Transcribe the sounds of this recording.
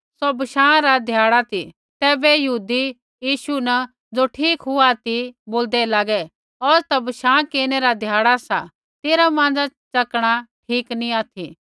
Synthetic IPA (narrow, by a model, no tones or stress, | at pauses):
sɔbɐʃãːɾad̪ʱjaːɽat̪ʰi | t̪ɛːbɛjɐɦuːd̪i | jiːʃunɐ | d͡zoʈʰiːkɦuat̪iboːld̪ɛlaːɡɛ | ɔːɾt̪abɐʃãːkeːñeɾad̪ʱjaːɽasa | t̪eːɾamãːn̆d͡zat͡ʃɐkɽ̃aʈʰiːknĩaːt̪ʰi